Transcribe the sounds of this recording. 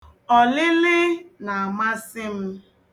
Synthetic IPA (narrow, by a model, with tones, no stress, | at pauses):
ɔ˨lɪ˦lɪ˦na˨a˨ma˦sɪ˦m̩˦